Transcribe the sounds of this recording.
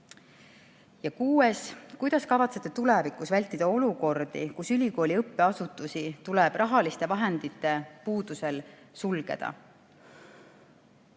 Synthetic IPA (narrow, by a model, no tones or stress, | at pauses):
jɑkuːe̞skujd̪̥ɑskɑvɑt̪se̞t̪ːet̪ulevikˑusvælʲt̪ːˑid̪̥ɑo̞luko̞rd̪̥ḭkusylʲiko̞ːlʲiɤpːe̞ɑsut̪ːˑusit̪uleb̥rʔɑɦɑlist̪e̞vɑɦe̞nd̪it̪ːˑe̞puːd̪̥use̞l | sulɡ̥e̞̰d̪̥ɑ̰